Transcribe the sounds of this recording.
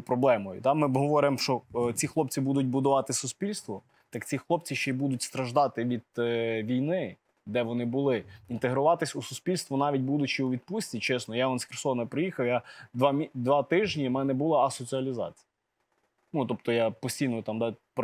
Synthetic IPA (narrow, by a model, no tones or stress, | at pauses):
pɾɔblˠɛmɔjʊ̰t̪ɑmɪɦɔʋɔɾɪmʃt͡ʃɔt͡sʲixlˠɔp̚t͡sʲibud̪ʊt̚ʲbʊd̪ʊʋɑt̪ɪsʊsʲpʲilʲst̪ʋɔ | t̪ɑkt͡sʲixlˠɔp̚t͡sʲiʃt͡ʃɛjbud̪ʊtʲst̪ɾɐʒd̪ɑt̪ɪʋʲid̪̥̚ʋʲijnɪ | d̪ɛʋɔnɪbʊlˠɪint̪eɦɾʊʋɑt̪ɪsʲusʊsʲpʲilʲst̪ʋɔnɑʋʲit̚ʲbud̪ʊt͡ʃɪuʋʲid̪pusʲtʲit͡ʃɛsnɔjaɔnsʲxʲɪrsɔnɐpɾɪjixɐwjad̪ʋɑmʲid̪ʋɑt̪ɪʒnʲimɛnɛbulˠɐɐsɔt͡sʲiɐlʲizɑ̰t͡sʲi̥j | nut̪ɔp̚t̪ɔjapɔsʲtʲijnɔjt̪ɑmd̪ɑp